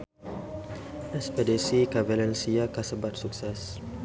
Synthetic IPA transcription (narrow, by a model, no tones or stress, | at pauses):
ɛspɛdisikavɛlɛnsiakasəbat̪̚suk̚sɛs